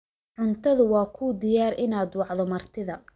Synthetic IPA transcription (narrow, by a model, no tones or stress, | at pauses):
ʕʊnt̪ʰɐðʊwɑːkʰud̪ɪjaːɾɪnaːd̪wɑʕðɔmɐrt̪ʰɪðɐ